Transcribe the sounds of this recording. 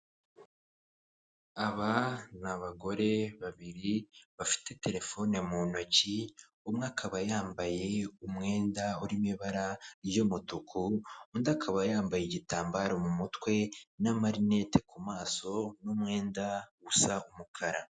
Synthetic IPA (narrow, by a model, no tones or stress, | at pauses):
aβanaβaɡo̞ɾe̞βaβiɾiβafi̥te̞te̞ɾe̞fo̞nemunoci | umŋaːkʰaβajaːmbaje̞umŋe̞ːndauɾimiβaɾaɾjomutukʰuːndakʰaβajaːmbajeɟitaːmbaɾo̞mumutwe̞namaɾine̞te̥kumaːso̞numŋe̞ːndaɡusaumukʰaɾa